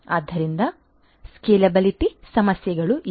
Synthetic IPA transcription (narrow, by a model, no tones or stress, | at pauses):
ɐd̪ːɐɾind̪ɐ | skeːlɐbɐlipisɐmɐsjɐɡɐɭuʔ